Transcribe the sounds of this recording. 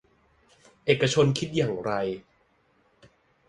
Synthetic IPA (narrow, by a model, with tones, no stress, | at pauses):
ʔeː˨˩kːa˧t͡ɕʰo˧nkʰi˦˥t̪̚jaː˨˩ŋɾa˧j